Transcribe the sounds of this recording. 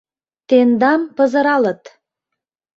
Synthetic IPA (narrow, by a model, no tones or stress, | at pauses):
t̪end̪ɑmpə̆zə̆ɾɑlə̆t̪